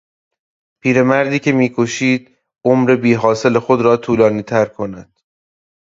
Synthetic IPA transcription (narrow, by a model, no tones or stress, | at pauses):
pʰiːɾe̞mæɾd̪iːcʰe̞miːkʰo̞ʃiːd̪ | omɾe̞biːɦɒːse̞lexod̪ɾɒːt̪ʰuːlɒːniːt̪ʰæɾkʰo̞næd̪̥